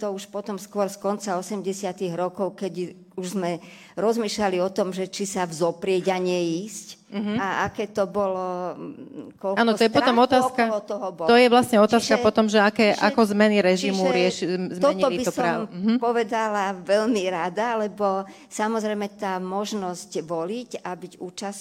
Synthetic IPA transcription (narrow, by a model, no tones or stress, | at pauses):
t̪ɔuʃpɔt̪ɔmskʊɔɾskɔnt͡saɔsɛmɟɛsɪat̪iɣɾɔkɔʊkɛɟ | uʒzmɛ | ɾɔzmiːʃlaliɔt̪ɔmʒɛt͡ʃisavzɔpɾɪɛɟaɲɛiːscm̩ɦaakɛːt̪ɔbɔlɔ | kɔlanɔtɔɔjɛppɔt̪ɔmɔt̪aːskaɔt̪ɔɦɔbɔt̪ɔjɛʋlasɲɛɔt̪aːskapɔt̪ɔmʒɛakɛːʔa̰kɔzmɛniɾɛʒimuɾɪɛʃizmɔɛɲtiɔlibiɔsɔɾamɦpɔʋɛd̪alaʋɛʎmiɾad̪alɛbɔ | samɔzɾɛjmɛt̪aːmɔʒnɔscʋɔlicabiɟuːt͡ʃas